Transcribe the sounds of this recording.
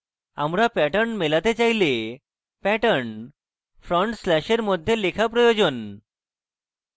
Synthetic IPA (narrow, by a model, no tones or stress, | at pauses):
a̰mɾapɛʈəɳnmelat̪et͡ɕajle | pɛʈəɾɳ | fʰɾɔɳʈslɛʃeɾmɔd̪ʱjelekʰapɾɔjod͡ʑon